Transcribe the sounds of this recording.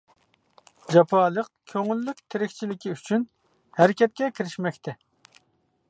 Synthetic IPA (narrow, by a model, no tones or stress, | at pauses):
d͡ʒɑpʰɑːlˠəq̚kʲʰøŋylːyk̚ʲt̪ʰɪɾɪkʲt͡ʃʰilɪkʲʰiyt͡ʃʰyn | hæɾɪkʲɛt̪̚kʲɛkʲʰiɾɪʃmɛkʲt̪ʰɛ